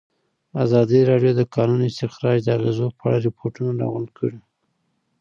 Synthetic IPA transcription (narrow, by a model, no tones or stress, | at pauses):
azɑd̪iɾɑɖjod̪əkɑnunɪst̪ɪxɾɑd͡ʒd̪əaɣezopʰəaɽaɾɪpʰoʈunaɾɑ̰ɣʊnkʰəɽi